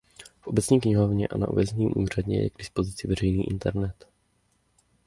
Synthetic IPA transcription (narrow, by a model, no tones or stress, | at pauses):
fʔo̞bɛt͡sɲiːk̬ɲɪɦovɲɛ̰ʔa̰na̰ʔovɛzɛɲiːmʔuːr̝adɲɛ̰jɛ̰ɡdɪspo̞zɪt͡sɪvɛrɛjniːʔɪ̰nt̪ɛɾnɛt̪